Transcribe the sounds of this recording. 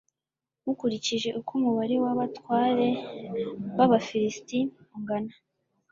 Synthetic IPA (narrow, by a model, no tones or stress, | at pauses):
mukuɾiciʒe̞ʔukumuβaɾewaβatwaːɾe̞ | βaβafiɾisti | uŋɡana